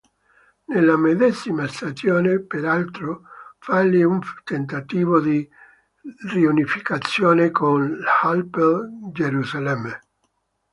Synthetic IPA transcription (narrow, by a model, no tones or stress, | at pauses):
nelːamed̪ɛsimast̪ad͡ʒjoːnepeɾalt̪ɾofalːiunt̪ent̪at̪iːvod̪i | riunifikat̪sːjoːnekonhalpd͡ʒeɾuzalɛmːe